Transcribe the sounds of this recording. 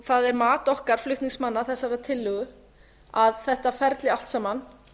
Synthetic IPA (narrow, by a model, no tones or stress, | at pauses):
θaðɛɾmaːt̪ɔhkaɾ̥flʏht̪niŋsmanːaθɛsːaɾat̪ʰɪlːʏɣʏ | aðθɛht̪afɛɾt̪lɪal̥t̪samːan